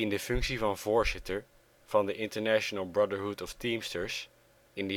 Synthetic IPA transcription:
ɪndəfɵŋksivɑnvoːɹzɪtəɹ | v̥ɑndəʔɪ̃ntəɹnæʃənəlˠbɹʌdəɹɦutɔftĩmstəɹs | ɪndə

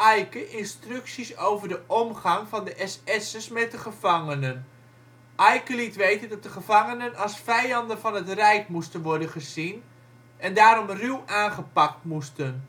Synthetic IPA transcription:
ʔɛjkəʔɪnstrʏksisowvərdəʔɔmχɑŋvɑndəʔɛsɛsəsmɛt̚dəχəv̥ɑŋənən | ʔɑjkəlitʋejtəndɑt̚dəχəv̥ɑŋənənɑlˠsfɛjɑndənvɑnɦətrɛjkmustənʋɔɹdənχəzin | ɛndaːɾɔmrywʔaːnχəpɑk̚tmustən

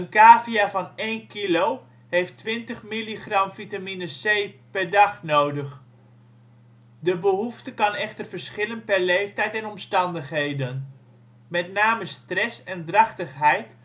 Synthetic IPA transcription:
ənkaːviavɑnejnkilow | ɦejftʋɪntəχmiliχrɑmvitaminəsejpɛɹdɑχnowdəχ | dəbəɦuftəkɑnɛχtərvəɹsχɪlənpɛɹlejftɛjtɛnɔmstɑndəχɦejdən | mɛtnaːməstrɛsɛndrɑχtəχɦɛjt

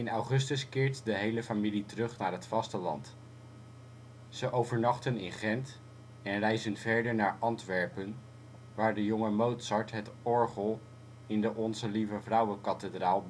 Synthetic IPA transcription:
ɪnɑwχɵstəskɪːɹtdəɦejləfamilitərɵχnaːɹɦətfɑstəlɑ̰nt | z̥əʔowvəɹnɑχtənɪnχɛnt | ɛnrɛjzənvɛɹdəɹnaːɹʔɑntʋɛɹpən | ʋaːɹdəjɔŋəmowtsɑɹtɦətɔɹχəlˠ | ɪndəʔɔnzəlivəvrʌwəkɑtədraːlˠb

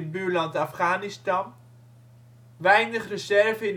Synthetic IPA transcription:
t̚byːɹlɑntɑfχaːnɪstɑn | ʋɛjnəχrəzɛɹvəɪn

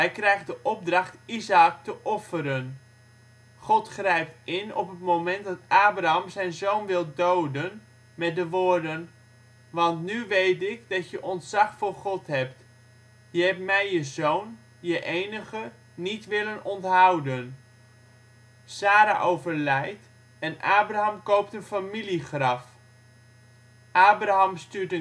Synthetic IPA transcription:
ɦɛjkrɛjχdəʔɔb̚drɑχtizak̚təʔɔfəɾən | χɔtχrɛjptɪnɔ̰pətmomɛnt̚dɑtaːbraamzɛjnzownʋɪlˠdowdən | mɛt̚dəʋʊːrdən | ʋɑntnyʋejtɪkdɑtjəʔɔntsɑχfʊrχɔtɦɛp̚t | jəɦɛpmɛjəzown | jəʔejnəχə | nitʋɪlənɔntɦawdən | saːɾa̰ʔowvərlɛjt | ɛnaːbraɦɑmkowptənfamiliχrɑf | ʔaːbraɦɑmstyːtə

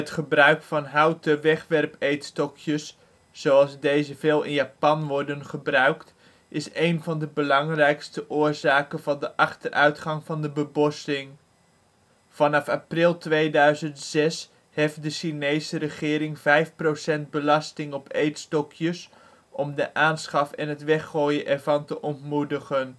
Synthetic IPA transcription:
ətχəbrœɥkfɑnɦɑwtəʋɛχʋɛrpejtstɔkʰjəsː | owɑlˠzdejzəvɪːlˠɪ̰njaːpɑnʋɔɹdənχəbrœɥkt | ɪsejnvɑndəbəlɑŋrɛjkstəʔʊːɹzaːkənvɑndəʔɑχtərʔœɥtχɑŋvɑndəbəbɔstɪŋ | v̥ɑnɑfaːprɪlˠtʋejdœɥzəntsɛs | heft̚dəʃinejsəɾəχɪːɾɪŋv̥ɛjfprowsɛnd̚bəlɑstɪŋɔpejtstɔkʰjəs | ɔmdəʔaːnsχɑfɛnɦətʋɛχoːjəʔɛɹvɑntəʔɔntmudəχən

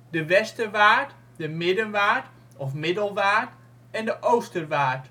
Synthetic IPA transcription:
dəʋɛstəʋaːɹt | dəmɪdənʋaːɹt | ɔfmɪdəlˠʋaːɹt | ɛndəʔowstəʋaːɹt

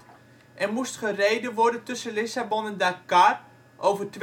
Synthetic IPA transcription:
ʔɛrmustχərejdəʋɔrdəntɵsəlɪsabɔnɛndakar | ʔowvərt

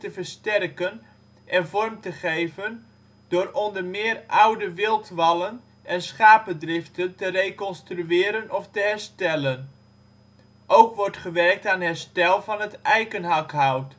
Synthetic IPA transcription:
təvəɹstɛrkən | ʔɛnvɔrmtəχejvən | d̥ʊːɾɔndəɹmɪːrʔawdəʋɪlˠtʋɑlən | ʔɛnsχaːpədrɪftəntərejkɔnstryɪːɾənɔftəɦɛɹstɛlən | ʔowkʋɔɹtχəʋɛrk̚taːnɦɛɹstɛlˠvɑnətʔɛjkənɦɑkɦawt

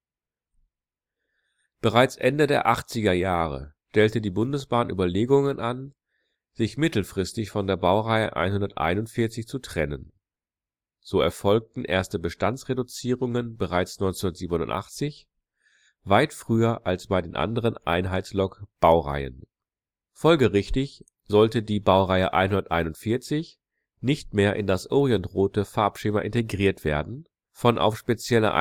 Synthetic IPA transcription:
b̥əʁaɪt͡sʔɛndədeːɐʔaχt͡sɪɡɐjaːʁ̞ə̰ʃtɛltədiːbʊndəsb̥aːnʔy̰ːbɐleːɡʊŋənʔan | z̥ɪçmɪtl̩fʁ̥ɪstɪçfɔndeːɐbaʊʁaɪə̰ʔa̰ɪnhʊndɐtʔa̰ɪnʊntfɪɐt͡sɪçt͡sutʁ̥ɛnən | z̥oːɛ̰ɐfɔlk̚tn̩ʔeːɐstəbəʃtant͡sʁedut͡siːʁʊŋənbəʁaɪt͡snɔʏnt͡senɐtz̥iːbənʊ̰ntʔa̰χt͡sɪç | vaɪtfʁ̥yːɐʔalsb̥aɪdeːnʔa̰ndəʁ̞ənʔa̰ɪnɦaɪslɔkb̥aʊʁa̰ɪə̰n | fɔlɡəʁɪçtɪç | z̥ɔltədiːbaʊʁaɪəʔa̰ɪnɦʊndɐtʔa̰ɪnʊntfɪɐt͡sɪç | nɪçtmeːɐʔɪ̰ndasʔɔːʁiɛntʁoːtəfaɐpʃɪmɐʔɪnteɡʁiːɐtv̥eːɐdn̩ | fɔnʔa̰ʊfʃpet͡sjɛlɐ̰ʔ

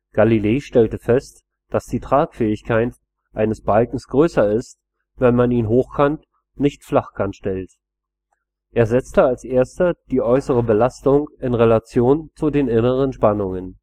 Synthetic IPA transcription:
ɡ̥alileːʃtɛltəfɛst | d̥asd̥iːtʁ̥aːkfɛːɪçkʰaɪt | ʔʔaɪnəsb̥alkŋ̩sɡ̥ʁøːsɐɪst | vɛnmaniːnɦoːxkʰant | nɪçtflaχkʰanʃtɛlt | ʔeːɐzɛt͡stəalsʔeːɐstɐd̥iːʔɔʏsəʁ̞əbəlastʊŋɪnʁelat͡sjoːnt͡sudeːnɪnəʁ̞ənʃpanʊŋən

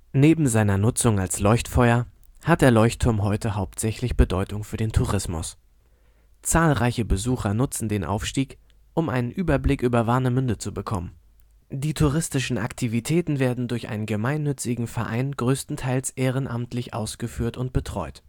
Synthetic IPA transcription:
neːbm̩zaɪnɐnʊt͡sʊŋalslɔʏçtfɔʏɐhat̚d̥eːɐlɔʏçtʰːʊɐmɦɔʏtəɦaʊp̚tz̥ɛçlɪçb̥ədɔʏtʊŋfyːɐdeːntʰuʁɪsmʊ̰s | t͡saːlʁaɪçəbəzuːxɐnʊt͡sn̩deːnʔa̰ʊfʃtiːk | ʔʊmʔaɪnənʔyːbɐblɪkʔyːbɐvaɐnəmʏndət͡subəkʰɔmən | d̥iːtʰuʁɪstɪʃn̩ʔa̰ktʰivitʰɛːtn̩veːɐdn̩dʊɐçʔa̰ɪnənɡəmaɪnːʏt͡sɪɡŋ̩fɛɐʔa̰ɪnɡ̥ʁøːstn̩tʰaɪlsʔeːʁ̞ənʔamtlɪçʔa̰ʊsɡ̥əfyːɐtʊnt̚b̥ətʁ̥ɔʏt

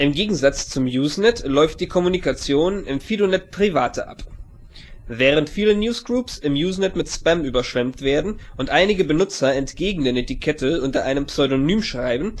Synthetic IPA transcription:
ʔɪmɡeːɡŋ̩zat͡st͡sʊmjuːznɛtlɔʏft̚d̥iːkʰɔmunikat͡sjoːnɪmfiːdonɛt̚pʁ̥ivaːtʰəʔa̰p | vɛːʁ̞əntfiːlənjuːsɡ̥ʁuːpsɪmjuːznɛtmɪtspɛmyːbɐʃv̥ɛmtv̥eːɐdn̩ʔʊntʔaɪnɪɡəbənʊt͡sɐɛntɡ̥eːɡŋ̩deːnetikʰɛtəʔʊntɐʔaɪnəmpsɔʏɾonyːmʃʁ̥aɪbn̩

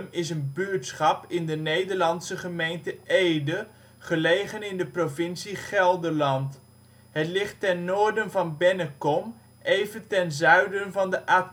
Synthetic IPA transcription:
mɪs̬ənbyɹtsχɑpɪndənejdəɹlɑntsəχəmejntəʔejdə | χəlejχənɪndəprovɪnsiχɛlˠdəɹlɑnt | ɦətlɪχtɛnːoːɹdənvɑnbɛnəkɔm | ejvəntɛnzœɥdənvɑndəʔaː

